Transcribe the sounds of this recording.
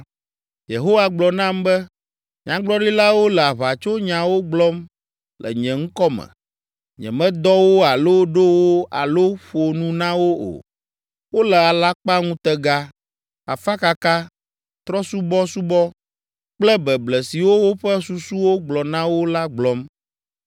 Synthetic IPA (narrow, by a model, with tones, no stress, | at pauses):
je˨ɦo˦wa˦ɡ͡blɔ˨nã˦mbɛ˦ | ɲã˨ɡ͡blɔ˦ɖi˦la˦wo˦lɛ˨a˨βa˨t͡ʃo˦ɲã˨wo˦ɡ͡blɔ˦m | lɛ̰˨ɲɛ̃˨ŋ̩˦kɔ˦mɛ̰̃˨ | ɲɛ̰̃˨mɛ̃˦d̪ɔ˦wo˦a˨lo˦ɖo˦wo˦a̰˨lo˦ɸo˨nũ˦nã˦wo˦o̰˨ | wo˦lɛ˨a˨la˦k͡pa˦ŋũ˦t̪ɛ˦ɡa˦ | a̰˨fa˦ka˦ka˦ | t̪ɾɔ˦su˦bɔ˦su˦bɔ˦ | k͡plɛ˦bɛ˨blɛ˨si˨wo˦wo˦ɸɛ˦su˨su˦wo˦ɡ͡blɔ˨nã˦wo˦la˦ɡ͡blɔ˦m